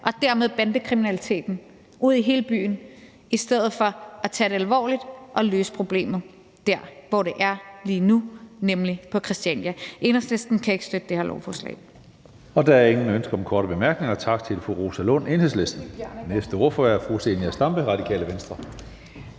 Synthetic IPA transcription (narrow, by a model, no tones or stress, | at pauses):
ʔɒ̽d̥æɐmeð̞ˠb̥ænd̥əkʰʁiminælit͡sʰe̝̰ːd̥n̩ | uð̞̰ˠiɦe̝ːləb̥y̰ːn̩ | isd̥eð̞̰ˠð̩ˠfɒ̽æt͡sʰæd̥e̝ælʋɒ̰ːlid̥ʔɒ̽løːsə̥pʰʁo̝b̥le̝̰ːmð̩ˠ | d̥æɐ̰ʋɒɾ̥e̝ʔæɐliːnunemlipʰɒ̽kʰʁɛsd̥iænjæʔe̝ːnhesle̝sd̥n̩kʰæe̝ɡ̥əsd̥ød̥əd̥eheɐlɒ̰ʊfɒːslɛ̰ːɪ | ɒ̽d̥æɐɐe̝ŋn̩ønsɡ̥ɐɒ̽mkʰɒːɾ̥əb̥e̝mæɐɡ̥ne̝ŋɐt͡sʰɑ̈ɡ̥̚t͡sʰe̝lfʁuʁo̝ːsælɔne̝ːnhesle̝sd̥n̩nesd̥əɒ̰ːfɒæɐfʁuse̝niæsd̥ɑ̈mb̥əʁɑ̈d̥ikʰɛ̰ːləʋensd̥ʁɐ